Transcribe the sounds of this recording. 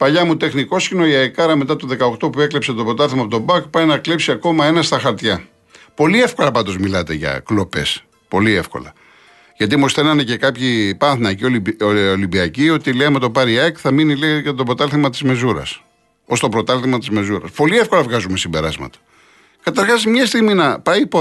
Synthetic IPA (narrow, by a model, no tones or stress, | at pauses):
pɐʎɐmut̪e̞xniko̞scino̞iɐekɐɾɐme̞t̪ɐt̪oðe̞kɐokt̪o̞pue̞klepse̞t̪opot̪ɐlθimɐpot̪obɐkpɐjnɐklipsiɐko̞mɐe̞nɐst̪ɐxɐɾt̪çɐ | po̞liefko̞lɐpɐnd̪o̞zmilɐt̪e̞ʝɐ̰klo̞pe̞s | po̞lie̞fko̞̰lɐ | ʝɐt̪imosθenɐnece̞kɐpçipɐnθnɐeciooolimbiɐcio̞t̪ileɐme̞t̪o̞pɐɾiɐkθɐminiliɐʝɐt̪opot̪ɐlθimɐt̪i̥zme̞zuɾɐ̰s | o̞st̪o̞pɾo̞t̪ɐlθimɐt̪izme̞zuɾɐspo̞liefko̞lɐvɣɐzume̞simbe̞ɾɐzmɐ̰t̪ɐ̥ | kɐt̪ɐɾxɐzmɲɐst̪iɣminɐpɐipo